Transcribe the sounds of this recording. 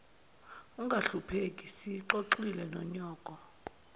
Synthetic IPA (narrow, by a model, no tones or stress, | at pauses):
uŋɡʱaɬupʰek̬ʼisiǃoǃilɛnɔɲɔːk̬ʼɔ